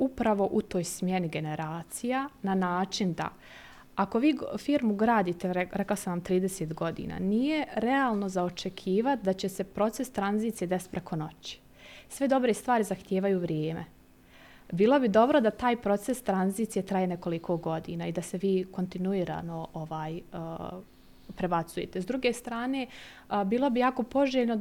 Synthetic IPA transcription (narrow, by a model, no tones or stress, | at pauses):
upɾaʋo̞ʔut̪oːjsmje̞niɡe̞ne̞ɾaːt̪sijananaːt͡ʃind̪a̰ | ako̞ʋiːfiːɾmuɡɾaːd̪iːt̪eɾeklaosanʋamt̪ɾiːd̪eseːt̪ɡo̞d̪ḭːna̰nije̞ɾɛaːlˠno̞zaot͡ʃekʰiːʋat̪̚d̪at͡ɕe̞se̞pɾo̞t̪se̞st̪ɾanziːt̪ije̞d̪e̞st̪pɾekʰo̞no̞t͡ɕi̥ | sʋed̪o̞bɾest̪ʋaːɾizaxt̪jeːʋajuːʋɾjeːmḛ | biːlˠo̞bid̪o̞bɾo̞d̪at̪aːjpɾo̞t̪sest̪ɾanziːt̪sijet̪ɾajene̞ko̞likʰo̞ɡo̞d̪ḭːnaːid̪aseʋiːko̞nt̪inuiːɾa̰ːno̞ʔoʋaːjəː | pɾe̞bat̪sujḛt̪ezd̪ɾuːɡeːst̪ɾaːneː | biːlˠo̞bijaːko̞po̞ʒeːʎno